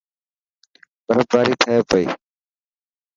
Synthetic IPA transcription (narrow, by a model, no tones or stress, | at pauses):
bəɾət̪ʋaːɾiːt̪ʰəeːpəḭː